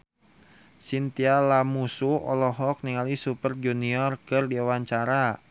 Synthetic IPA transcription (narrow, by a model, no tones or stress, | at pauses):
sint̪ialamusuʔɔ̰lɔɦɔk̚niŋalisupərd͡ʒuniɔrkərdiawaɲt͡ʃaɾa